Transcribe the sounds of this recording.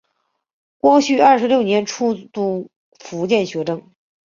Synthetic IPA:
kwɔ˥t͡ɕʰy˥˩ɐ˞˥˩ʂɻljo˥˩ʊnjɛ˧˥nʈ͡ʂʰu˥˧t̪u˥˩ | fu˧˥t͡ɕjɛ˥˩nɕɥɛ˧˥ʈ͡ʂɤ˥ŋ

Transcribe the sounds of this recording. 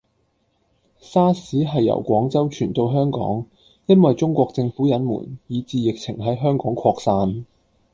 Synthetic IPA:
saː˥siː˨˥ɦɐ˨jːɐ̰˨˩wkʷɔː˨˥ŋt͡sɐ˥wt͡ʃʰyː˨˩nt̪o˧wɦœː˥ŋkɔ̰ː˨˥ŋ | jɐ˥nwɐ˨jt͡sʊ˥ŋkʷɔː˧k̚t͡sɪ˧ŋfuː˨˥jɐ˨˥nmṵː˨˩njiː˨˧t͡siː˧jɪ˨k̚t͡sʰɪ̰˨˩ŋɦɐ˨˥jɦœː˥ŋkɔː˨˥ŋkʰɔː˧k̚saː˧n

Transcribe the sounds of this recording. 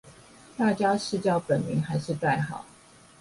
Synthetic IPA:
t̪a˥˩t͡ɕja˥ʂɻ̩˥˧t͡ɕjɑ˥˩ʊpə˨˩nmḭ˨˥ŋxa˧˥ɪʂɻ̩˥˧t̪a˥˩ɪxɑ˨˩˦ʊ

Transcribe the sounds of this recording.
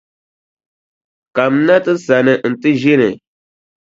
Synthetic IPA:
ka˨m˦na˦tɨ˦sa˨nɨ˨n̩˨tɨ˦ʒi˦nɨ̰˨

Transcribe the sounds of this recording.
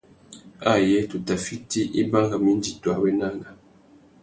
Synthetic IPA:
a˦˨jɛ˨˦tu˨ta˨fi˦ti˦ʔi˦ba˦ŋɡa˨mi˦n˦d͡ʒi˨ta˨wɛ˦na˦ŋɡa˨

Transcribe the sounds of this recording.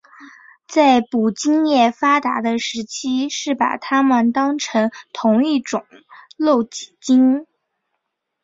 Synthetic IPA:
t͡sa˥˩ɪpu˨˩t͡ɕi˥ŋjɛ˥˩fa˥t̪a˧˥d̪ə˧ʂɻ̩˧˥t͡ɕʰi˥ʂɻ̩˥˩pa̰˨˩t̪ʰa˥mə˨nt̪ɑ˥ŋʈ͡ʂʰɤ˧˥ŋt̪ʰʊ˧˥ŋi˥˩ʈ͡ʂʊ˨˩˦ŋlo˥˩ʊt͡ɕi̥˨˩t͡ɕi˥ŋ

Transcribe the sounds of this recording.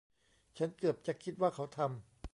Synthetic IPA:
t͡ɕʰa˦˥nkɯ˨˩əp̚t͡ɕa˨˩kʰi˦˥t̪̚waː˥˩kʰa˦˥wt̪ʰa˧m

